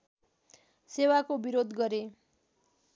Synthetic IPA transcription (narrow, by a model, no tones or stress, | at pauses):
sewakobiɾod̪ɡʌɾe